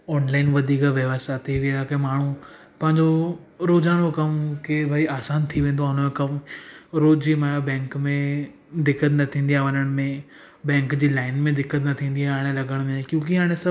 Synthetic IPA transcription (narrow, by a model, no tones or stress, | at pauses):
ɔːnlaːɪnʋɐd̪ʱiːkaʋjɐʋast̪at̪ʰiʋiakɐmaːɳ̤u | pɐ̃ɦɪ̃ɲd͡ʑoɾoːzaːɽ̃okɐmkebʱaiaːsaːnt̪ʰiʋẽːn̆d̪oaːɦʊnəmekɐmɾoːd͡ʑimaːjabɛ̃ːŋkmẽ | d̪ɪkːət̪nɐt̪ʰĩːn̆d̪ijaʋɐɲəɽ̃mẽ | bɛ̃ːŋkd͡ʑiːlaːɪnmẽd̪ɪkːət̪nɐt̪ʰĩːnd̪ijaaːɪɽ̃elɐɡəɽ̃mẽkjõːkiaːɽ̃esɐ